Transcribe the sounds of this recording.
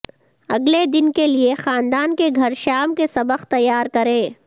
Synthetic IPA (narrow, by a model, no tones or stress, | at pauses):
ɐɡled̪ɪnkeliexaːnd̪aːnkeɡʱɐɾʃaːmkesɐbəqt̪ɐjːaːɾkɐɾẽː